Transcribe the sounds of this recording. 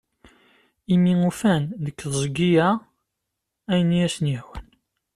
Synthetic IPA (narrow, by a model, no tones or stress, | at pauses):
imiŋufænðəkːðzˤɡijæ | æjənijæsnihwən